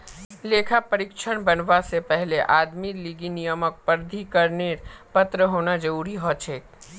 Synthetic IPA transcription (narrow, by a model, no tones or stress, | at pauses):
leːkʰapəɾɪkʃʰəɽ̃bənʋasepɛɦleʔaːd̪miliːɡinijəmək̚pəɾd̪ʱikəɾneːɾpət̪ɾəɦoːnad͡ʒəɾuːɾiɦɔt͡ʃʰeːk